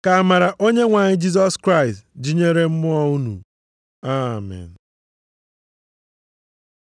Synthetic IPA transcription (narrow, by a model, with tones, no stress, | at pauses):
ka˨a˨ma˨ɾa˨ʔo˦ɲe˦ŋʷa˨ɲɪ˦d͡ʒi˦z̬ɔ˦skɾa˦ɪ˨std͡ʒi˦ɲe˦ɾe˦m̩˦mʊ˦ɔ˦˨u˦nṵ˨ | a˦mɛ̰˨n˨